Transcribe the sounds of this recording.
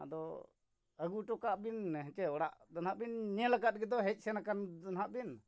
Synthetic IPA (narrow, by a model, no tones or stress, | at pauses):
ad̪ɔ | əɡuʈɔkaʔbinɦɛt͡ʃɛɔɽa̰ʔd̪anɦaʔbinːɛlaɡat̪̚ɡɛd̪ɔɦɛc̚ˀsɛnakand̪ɔnɦaʔbin